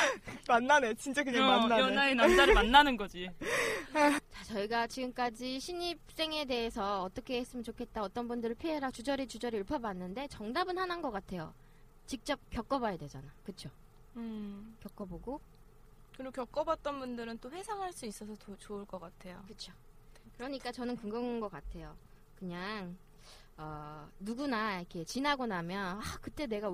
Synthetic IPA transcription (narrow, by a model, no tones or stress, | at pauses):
manːanet͡ɕint͡ɕ͈akɯɲamanːaaenamd͡ʑaɾɯmanːanɯnɡʌd͡ʑi | t͡ɕat͡ɕʌiɡat͡ɕiɡɯmk͈ad͡ʑiɕʰiɲip̚s͈e̞ŋe̞de̞ɦesʰʌːt͈ʌkʰe̞es͈ɯmjʌnt͡ɕokʰe̞t̚t͈aʌt͈ʌnbundɯɾɯɭpʰieɾat͡ɕud͡ʑʌɾit͡ɕud͡ʑʌɾiɯɭpʰjʌbanːɯnde̞t͡ɕʌŋdabɯnhananɡʌk͈atʰe̞jo̰ | t͡ɕik̚t͡ɕ͈ʌp̚k͈jʌk͈ʌbajadwe̞d͡ʑa̰nakɯt͡ɕʰo | kjʌk͈ʌboɡo | kɯɾiokjʌk͈ʌbat̚t͈ʌnbundɯɾɯnt͈oɸwe̞sʰaŋɦaɭs͈uis͈ʌsʰʌot͡ɕouɭk͈ʌk͈atʰe̞jo̰kɯt͡ɕʰo | kɯɾʌɲik͈at͡ɕʌnɯnkɯŋɡɯŋnɡʌk͈atʰe̞jo | kɯɲaŋ | ʌnuɡunaikʰe̞t͡ɕinɦaɡonamjʌnakɯt͈e̞ne̞ɡa